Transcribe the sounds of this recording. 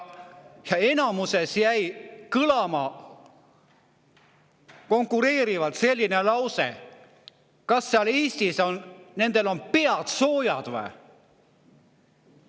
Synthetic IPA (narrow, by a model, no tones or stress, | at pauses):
jɑe̞nɑmuse̞sjæjkɯlɑmɑ | ko̞ŋkːˑuɾe̞ːɾivɑt̪se̞lʲːine̞lɑwsḛ | kɑsːeɑliːst̪iso̞nne̞nd̪̥e̞lo̞npeɑd̪̥so̞ːjɑd̪̥væ̰